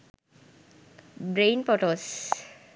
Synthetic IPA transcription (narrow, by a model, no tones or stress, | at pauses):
bɾejnpɔʈos